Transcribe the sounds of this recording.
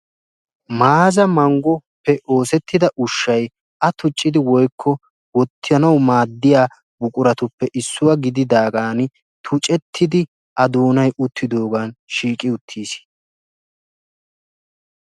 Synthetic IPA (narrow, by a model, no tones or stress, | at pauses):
maːzɐmɐŋɡɔpːɛʔo̞ːsɛt̪ːɪd̪ɐʔʊʃːɐj | ʔɐt̪ʊt͡ʃʼːɪd̪ɪwɔjkʰːɔ | wɔt̪ʰːɪjɐnɐwmaːd̪ːɪjaː | bʊkʼʊɾɐt̪ʊpːɛʔɪsːʊwɐɡɪd̪ɪd̪aːɡaːn | t̪ʰʊt͡ʃʼɛt̪ʰːɪd̪ɪ | ʔɐd̪oːnɐjʊt̪ʰːɪd̪o̞ːɡaːnʃiːkʼɪʊt̪ʰːiːs